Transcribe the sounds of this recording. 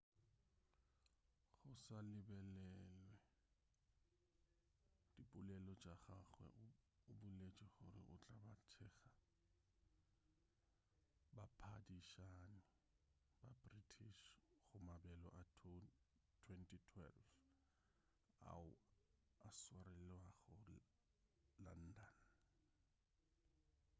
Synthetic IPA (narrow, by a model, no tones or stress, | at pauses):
χʊsalɪbɛlɛlwɛ | d̥ipʼʊlɛlɔd͡ʒʼaχaχwɛ̰ʊbʊlet͡ʃʼɛχʊ̰ɾɪ̰ʔʊt͡ɬʼabatʰɛːχa | bapʰadiʃaːnɪ | babritʰiʃχʊmabɛlɔʔa | tʰwɛntʰʼitʰwɛ̰lf | a̰ʊ | aswaɾɛlwaɣɔ | la̰n̩ːdal